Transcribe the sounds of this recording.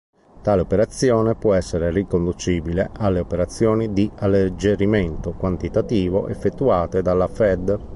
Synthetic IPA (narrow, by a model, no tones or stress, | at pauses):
t̪aːleopeɾat̪sːjɔːnepwɔɛsːeɾerikond̪ut͡ʃiːbileʔalːeopeɾat̪sːjɔːnid̪ialːed͡ʒeɾimɛnt̪okwant̪it̪at̪iːvo̰ʔefːet̪ːuaːt̪ed̪alːafɛd̪